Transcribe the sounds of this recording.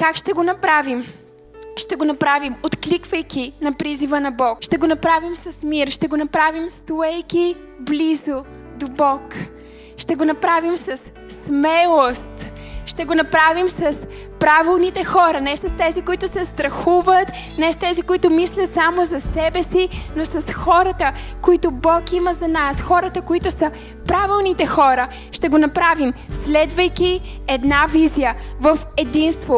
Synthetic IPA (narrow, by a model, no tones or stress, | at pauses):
kakʃt̪ɛɡonɐpɾavim | ʃt̪ɛɡonɐpɾavimot̪klikvəjkʲinɐpɾizivənɐbɔkʃt̪ɛɡonɐpɾavimsɐsmiɾʃt̪ɛɡonɐpɾavimst̪oɛjkʲi | blizo | d̪obɔk | ʃt̪ɛɡonɐpɾavimsɐsː | mɛlˠost̪ʃt̪ɛɡonɐpɾavimsɐspɾavilˠnit̪ɛxɔɾɐnɛsɐst̪ɛzikoit̪ʊsɛst̪ɾɐxuvət̪nɛst̪ɛzikoit̪ʊmislʲɐt̪samozɐsɛbɛsinosɐsxɔɾət̪əkoit̪ʊbɔkiməzɐnasxɔɾət̪əkoit̪ʊsə | pɾavilˠnit̪ɛxɔɾə | ʃt̪ɛɡonɐpɾavimslɛd̪vəjki | ɛd̪navizijəvəfɛd̪inst̪vo